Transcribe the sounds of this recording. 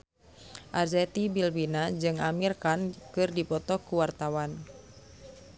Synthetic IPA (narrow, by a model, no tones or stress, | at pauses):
ʔarzɛt̪ibilwinad͡ʒɨŋamirkankɨrdipɔt̪ɔkuwart̪awan